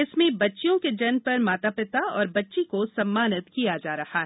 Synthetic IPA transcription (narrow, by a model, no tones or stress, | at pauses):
ɪsmẽbɐtːʃjõked͡ʒɐnpɐɾmaːt̪apɪt̪aɔːɾbɐtːʃikosɐmːaːnət̪kijad͡ʒaːɾɐhaɦɛ